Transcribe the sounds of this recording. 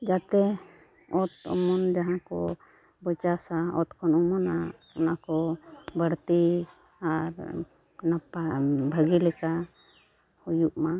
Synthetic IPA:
d͡ʒat̪ɛ | ɔt̪ɔ̰mɔnd͡ʒaɦãkɔ̰ | bɔt͡ʃasaɔt̪kʰɔnɔmɔna | ɔnakɔbəɽt̪i | aɾ | napabʱəɡilɛka | hujuʔma

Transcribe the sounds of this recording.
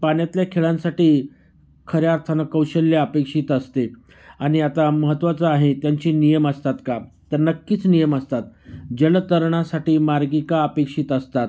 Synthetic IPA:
panjat̪ljakʰeɭãnsaʈiː | kʰəɾjaɾt̪ʰanəkəwɕəlːjaəpekʂiːt̪əst̪e | aɽ̃iat̪aməɦət̪ːʋat͡səaɦet̪jaɲt͡ɕiːnijəməst̪at̪kat̪əɾnəkːiːt͡snijəməst̪at̪̚d͡ʑəlt̪əɾɳ̃asaʈiːmaɾɡikaəpekʂiːt̪əst̪at̪

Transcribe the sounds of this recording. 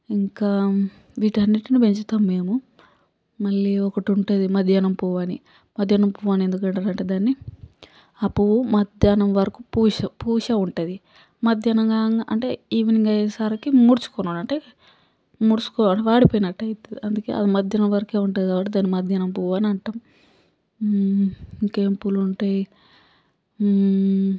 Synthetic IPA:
iŋkaː | ʋiːʈɐnːiʈinipeɲt͡ʃut̪aːmme̞ːmu | mɐɭːiɔkɐʈuɳʈud̪imɐd̪ʱjaːnɐmpuːʋaːni | mɐd̪ʱjaːnɐmpuːʋaːniend̪ukɐɳʈaɾɐɳʈeːd̪aːnːi | ɐpuumɐd̪ʱjaːnɐmʋɐɾɐkupuːʃɐpuːʃɐuɳʈɐd̪i | mɐd̪ʱjɐnɐŋɡaːŋaʔɐɳʈe̞̰iːʋiniŋɡɐjɐsaːɾɐkimuːɾt͡ʃu̥kɔnunɐɳʈe | muːɾt͡ʃu̥kɔɐʈeʋaːɽipojinɐʈːɐjit̪eɐnd̪ukḛːɐ̰d̪imɐd̪ʱjɐnɐmʋɐɾɐkeːuɳʈɐːiɐʋaːʈid̪aːnːimɐd̪ʱjɐnɐmpuːʋaːniɐɳʈaːm | keːmpuluɳʈaːji

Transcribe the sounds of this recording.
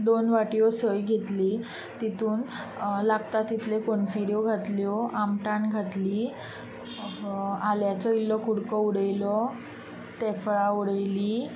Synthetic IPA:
d̪onʋaʈjosəjɡʱet̪liː | t̪it̪ʰuːn | laɡt̪at̪ːit̪ʰlekonfiɾjoɡʱat̪ljɔʔamʈaɳɡʱat̪liː | aljat͡sɔilːɔkuɽkɔuɽəjlɔ | t̪ɛfɭauɽəjliː

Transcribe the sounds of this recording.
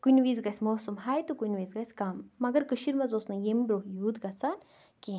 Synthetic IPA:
kunʲʋizɡɐsʲmoːsumɦaːjt̪ukunʲʋezɡɐsʲkɐmːɐɡɐɾkɨʃiɾmɐzoːsnɐjembɾoɦjuːd̪ɡɐsan | ki

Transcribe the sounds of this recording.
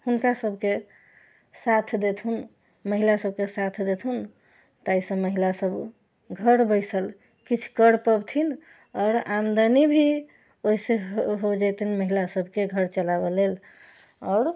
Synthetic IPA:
hunkasəbʱke | sat̪ʰd̪et̪ʰun | məɦilasəb̚ʱkesat̪ʰd̪et̪ʰun | t̪aisə̃məɦilasəb | ɡʱəɾbəjsəl | kit͡ʃʰkəɽpəbt̪ʰin | ɔɾamd̪ənibʱi | oiseɦod͡ʒajt̪inməɦilasəbʱkeɡʱəɾt͡ʃəlabelel | ɔːɾ

